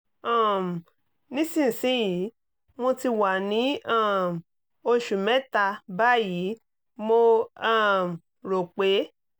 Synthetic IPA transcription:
ã˦˨m˨ | nĩ˦sĩ˦˨n̩˨sĩ˨˦ji˨˦ | mo˧ti˧wa˨nĩ˨˦ã˦˨m˨ | o˧ʃu˨mɛ̃˨˦ta˧ba˦˨ji˨˦ | mo˧a˦˨m˨ | ɾo˨k͡pe˨˦

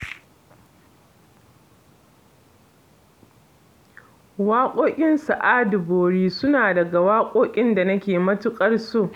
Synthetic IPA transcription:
waː˦kʷʼoː˦kʲʼɪ˦nsa˨ʔaː˦dʊ˨boː˨ɽiː˦sʊ˦naː˨dɐ˨ɡa˨waː˦kʷʼoː˦kʲʼɪ˦nda˨nɐ˦kʲeː˨mɐ˦tʊ˦kʼɐ˦rsu˦ʔ

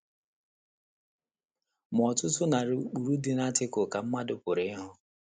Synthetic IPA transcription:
m˨ɔ˨tʊ˦tʊ˦na˨ɾu˦k͡pu˨ɾu˦dɪ˦na˦tɪ˦kʊ˨ka˨m̩˦ma˦dʊ˦pʊ˨ɾɪ˦ɪ˦ɦʊ˦

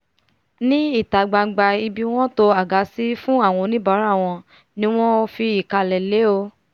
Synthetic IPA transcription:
nĩ˦i˦˨ta˨ɡ͡ba˧˨ɡ͡ba˧i˧bi˧w̃ɔ̃˦to˧a˨ɡa˨˦si˦fũ˦a˦˨w̃ɔ̃˧nĩ˦ba˨˦ɾa˦˨w̃ɔ̃˧ | nĩ˦w̃ɔ̃˦o˧fi˧i˨ka˧lɛ˨le˨˦o˧

